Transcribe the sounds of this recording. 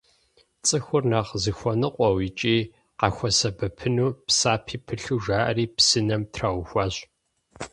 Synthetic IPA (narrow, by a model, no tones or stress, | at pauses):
t͡sʼɨxʷʊrnaːʁzɨxʷɔnɨqʷʼɔwit͡ʃʼiː | qɑxʷɐsɐbɐpʰɨnuːpsaːpʰiːpʰɨɬuʒaːʔɐ̰riːpsɨnɐmtʰrawʷʊxʷɑːɕ